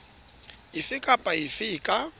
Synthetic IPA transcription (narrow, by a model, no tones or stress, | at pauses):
ɪfɪkʼapʼaɪfɪkʼa